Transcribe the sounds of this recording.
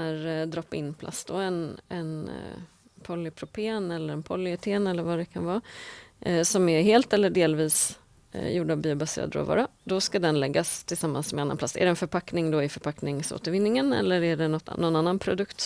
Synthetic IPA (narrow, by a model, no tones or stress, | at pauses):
æɾd̪ɾɔpːɪ̰nːpʰlʔa̰sd̪ɔɛnɛ̰n | pʰɔlːɪpʰɾʊpʰeːnɛlːəɾɛnpʰɔlːɪɛt̪ʰeːnɛlːəɾvad̪ɛkʰanvɑː | sɔmɛɾɦeːlt̪ɛlːəɖeːlviːs | juːɖəavbiːʊbasḛːɾa̰d̪ɾɔ̰vɑ̰ːɾad̪ɔskad̪ɛnlɛɡːast̪ʰɪlsamːa̰nsmɛanːanpla̰sːæ̰ɖɛɛnfœɾpʰaknɪŋd̪ɔɪfœɾpʰaknɪŋso̰ːt̪əɾvɪnːɪŋənɛ̰lːəɾæɖɛnɔt̪ːnːɔnːanːanpʰɾʊd̪ɵkt̪